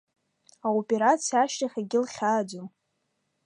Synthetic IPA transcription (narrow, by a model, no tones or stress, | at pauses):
aopʼe̞ɾat͡sʰiaʃtʼaχʲaɡʲɪlχʲaːd͡ʒum